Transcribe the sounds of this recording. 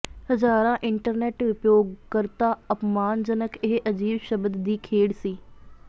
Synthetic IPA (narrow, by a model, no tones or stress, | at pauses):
həzaːɾãːʔɪɳʈəɾnɛːʈʊpjoːɡkəɾt̪aːəpmaːnd͡ʒənəkʰɪɦʔəd͡ʒiːbʃəbəd̪ːiːkʰeːɽsiː